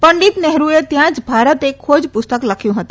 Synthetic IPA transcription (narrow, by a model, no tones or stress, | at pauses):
pəɳɖit̪nɛɦɾuet̪jãːt͡ʃbʱaːɾət̪ekʰːoːd͡ʒpʊst̪əkləkʰjũɦət̪